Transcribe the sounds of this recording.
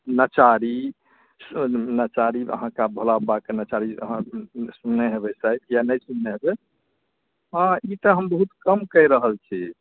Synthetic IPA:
nət͡ʃaɾi | snət͡ʃaɾiə̰ɦãkabʱolabakenət͡ʃaɾiə̰ɦãsunːeɦebɛsajtjanəjsunːeɦebɛ | ãit̪əɦəmbəɦut̪kəmkəjɾəɦəlt͡ʃʰi

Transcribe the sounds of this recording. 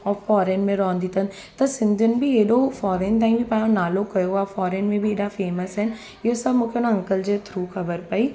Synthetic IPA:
ɔːɾfɔːɾeːnmẽɾɔ̃ːnd̪ɪt̪ənɪ̆ | t̪ɐsɪ̃nd̪ʱənɪ̆bʱieɦɗofɔːɾeːnt̪̬ãːĩbʱipaːjõnaːlokɐjoɦaːfɔːɾeːnmẽbʱieːɗafeːməsɦɪn | ɪɦosɐbmũːkʰeʊnaɐ̃ŋkəld͡ʑeːt̪ʰɾuːxɐbəɾpɐiː

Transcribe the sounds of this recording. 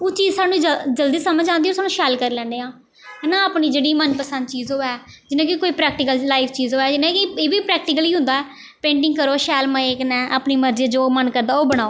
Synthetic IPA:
oːt͡ʃiːzsaːnːũːid͡ʒəd͡ʒəld̪iːsəməd͡ʒãːnd̪iːoːsaːnũːʃɛːlkəɾiːlɛ̃ːnd̪eːãː | nãːaːpniːd͡ʒeːɽiːmənpəsə̃nd̪t͡ʃiːzoːɛː | d͡ʒɪnãːkikoːiːpɾɛːk̚ʈɪkəllaːipʰt͡ʃiːzoːɛːd͡ʒɪnãːkɪeːʋiːpɾɛːk̚ʈɪkəliːɦʊ̃nd̪aːɛː | pẽːɳʈɪ̃ŋɡkəɾoːʃɛːlmãːeːknɛ̃ːʔaːpniːməɾd͡ʒed͡ʒoːmənkəɾd̪aːoːbəɽ̃aːoː

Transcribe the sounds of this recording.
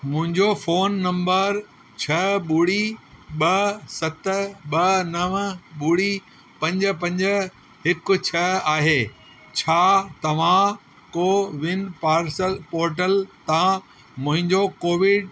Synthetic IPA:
mʊ̃ɦɪ̃ɲd͡ʑofoːnːɐ̃mbəɾ | t͡ɕʰɐɓuɽiɓɐsɐt̪ɓɐnɐʋɓuːɽi | pɐ̃ɲd͡ʑ̆pɐ̃ɲd͡ʑə̆ | ɦɪkʊ̆t͡ɕʰɐaːɦeː | t͡ɕʰaːt̪ɐʋ̤ã | koːʋɪnpaːɾsəlpoːɾʈ̬əlt̪ã | mʊ̃ɦɪ̃ɲd͡ʑokoːʋɪɖ

